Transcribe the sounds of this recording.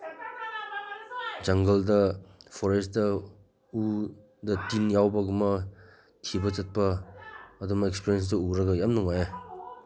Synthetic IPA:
d͡ʒɐŋɡɐldɐpʰɔɾestdɐ | u | dɐtinjawbɐɡumɐ | tʰibɐt͡ʃɐt̚pɐː | dumaekspiɾjens̬dɐuɾɐɡɐjamnuŋaja

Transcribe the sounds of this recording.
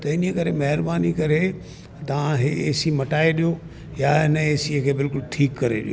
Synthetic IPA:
t̪ɐɪnijəkɐɾemɐɦɪɾbaːnikɐɾe | t̪ɐʋ̤ãɦeeːsimɐʈaːeɗijo | janɐeːsikʰeːbɪlkʊlʈʰiːkːɐɾeɗḭo

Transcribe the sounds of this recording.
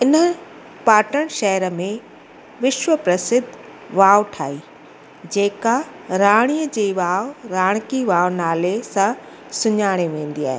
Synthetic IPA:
ɪnə̆ | paːʈəɽ̃ʃɛɦəɾə̆mẽ | ʋɪʃʋəpɾɐsɪd̪ʱ | ʋaːʊʈʰaːiː | d͡ʑeːka | ɾaːɽ̃ijəd͡ʑeːʋaːʊɾaːɽ̃kiʋaːʋnaːlesã | sʊɲaːɽ̃eʋẽːn̆d̪ia̰ːɦḛ

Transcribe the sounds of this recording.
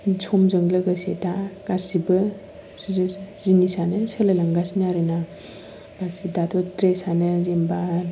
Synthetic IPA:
d͡ʒʰɔmzɯŋlɯɡasetaɡ̥asibɯ | szzinisanɯsɯlalaŋɡasniaɾɯna | ɡasidatɔtɾesanɯzemba

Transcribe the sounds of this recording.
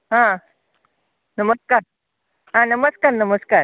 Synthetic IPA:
ɦã | nəməskaɾ | ɦãnəməskaɾnəməskaɾ

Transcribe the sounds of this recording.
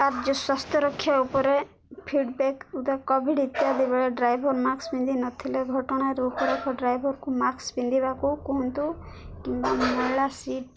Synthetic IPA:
t̪aɾd͡ʒɔswast̪ʰjɔɾɔkʰːjaupɔɾe | pʰiɖbekut̪akɔbʱiɖit̪jad̪ibɛɭeɖɾajbʱɔɾmaksbind̪ʱinɔt̪ʰileɡʱɔʈɔɽ̃aɾeupɔɾɔkʰɔɖɾajbʱɔɾkumaksbind̪ʱibakukɔɦunt̪u | kimbamɔɭasiʈ

